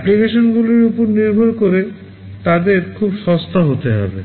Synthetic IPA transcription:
ɛplikeʃonɡulojupoɾniɾbʱoɾkoɾe | t̪ad̪eɾkʰubʃɔst̪aɦot̪eɦɔ̰bḛ

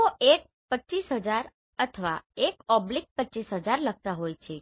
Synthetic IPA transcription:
oʔek̚ | pət͡ʃisɦəd͡ʒaɾ | ət̪ʰəʋa̰ekɔblik̚pətːt͡ʃːisɦəd͡ʒaɾləɡ̚t̪aɦojt͡ʃʰe

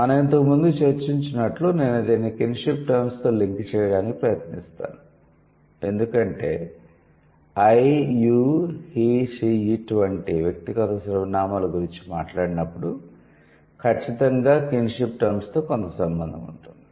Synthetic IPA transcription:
mɐnɐme̞nt̪okmund̪ut͡ʃeɾt͡ʃiɲt͡ʃinɐʈlune̞ːnɐd̪inːikinʂipʈɐɾmst̪o̞ːliŋkt͡ʃɛːjɐɽaːniki̥pɾɐjɐt̪nist̪a̰ːnu | e̞nd̪ukɐɳʈe̞̰ː | ɐjjuːhiʂiiʈuʋɐɳʈiʋjɐk̚t̪iɡɐt̪ɐsɾɐʋnaːmaːluɡuɾiɲt͡ʃi̥maːʈlaːɽinɐpːuɽu | kʰɐt͡ʃːit̪ɐŋɡaːkinʂipʈɐɾmst̪o̞ːkont̪ɐsɐmbɐnd̪ʱɐmṵɳʈund̪i

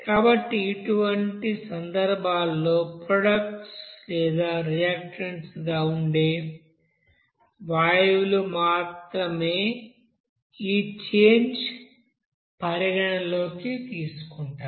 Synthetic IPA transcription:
kaːbɐʈːiːʈuʋɐɳʈisɐnd̪ɐɾbʱaːlːo̞ːpɾoɖɐk̚ʈslɛːd̪aːɾijaːkʂɐɳsɡaːuɳɖe̞ː | ʋaːjlumaːt̪ɾɐme̞ː | iːt͡ʃeːɲd͡ʒ | pɐɾjɐɡɐɳɐlo̞ːkit̪iːsu̥kuɳʈaːɾ

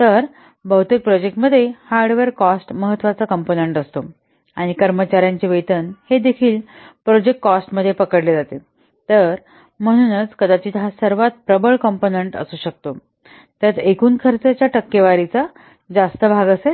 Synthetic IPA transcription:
t̪əɾ | bəɦut̪ek̚pɾɔd͡ʑek̚ʈməd̪ʱːjehaɾɖʋeɾkɔsʈməɦət̪ːʋat͡sakəmponeɳʈəst̪o | aɽ̃ikəɾmət͡ɕaɾjaɲt͡ɕeʋet̪ənhed̪ekʰiːlpɾod͡ʑek̚ʈkːɔsʈməd̪ʱːjepəkəɽled͡zat̪e | t̪əɾ | m̤əɽ̃uːnət͡skəd̪at͡ɕiːt̪ɦasəɾʋat̪̚pɾəbəɭkəmponeɳʈə̰suːɕək̚t̪o | t̪jat̪ekuːnkʰəɾt͡sat͡ɕjaʈəkːeʋaɾit͡sa | d͡zast̪əbʱaɡəse

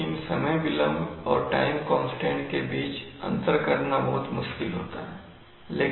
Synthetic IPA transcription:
ɪnsɐməjbɪlə̃mbɔːɾʈa̰ːɪmkɔ̃ːnsʈẽːɳʈkebiːt͡ʃɐ̰̃nt̪əɾkɐɾnabɐɦʊt̪mʊʃkɪlɦo̰ːt̪a̰ɦɛː | leː

